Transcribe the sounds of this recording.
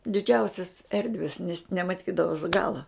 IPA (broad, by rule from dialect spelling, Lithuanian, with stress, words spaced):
dʲɪˈd͡ʒʲɛʊsʲɛs ˈɛrʲdʲʋʲɛs nʲɛs nʲɛmɐˈtʲiːdɐʋoːs ɡɐlˠɐ